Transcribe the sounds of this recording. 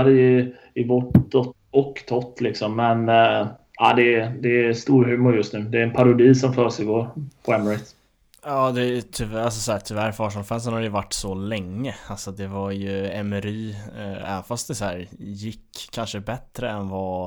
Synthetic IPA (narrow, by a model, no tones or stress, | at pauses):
d̪əɪ | ɪvɔʈɔt̪ | ɔkːt̪ʰɔt̪ːlɪksɔmːɛn | aːd̪ɛd̪ɛst̪uːɾɦʉ̟ːmʊɾjɵst̪nʉ̟ːd̪ɛɾɛnpʰaɾʊd̪iːsɔmfœːʂɛɪɡoːɾpʰɔɛmːɾɪt̪ | jɑːd̪ɛt̪ʰʏals̬ɔsɔæːt̪ʰʏvæɾfɑːʂɔnfɛns̬ənhad̪ɛjəvaʈːsɔlɛŋːəalsɔd̪ɛvaɾjɵɛmɛɾiːɛ̰vənfast̪̚d̪ɛsæːɾjɪkʰːanʂəbɛt̪ɾəɛnvɑ